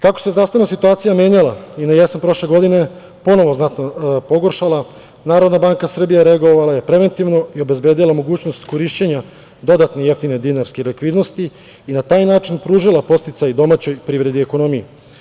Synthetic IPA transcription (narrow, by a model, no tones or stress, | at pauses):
kakose̞zɾaːsaenasit̪uaːt̪sijamje̞ːɲalˠainajesanpɾo̞ʃle̞ɡo̞d̪ine̞ | po̞no̞ʋo̞znat̪nopo̞ɡoɾʃalˠa | naːɾo̞d̪nabaːŋkasr̩bijaɾeaɡo̞ʋalaje̞pɾe̞ʋe̞nt̪iʋno̞io̞be̞zbeːd̪ilamo̞ɡuːt͡ɕnost̪koɾiːʃt͡ɕeɲa | d̪o̞d̪at̪neje̞ft̪ine̞d̪inaɾskelekʋiːd̪no̞st̪iː | nat̪aːjnaːt͡ʃinpɾuːʒilˠapo̞st̪it̪sajd̪o̞mat͡ɕo̞jpɾiːʋɾe̞d̪ieko̞no̞mije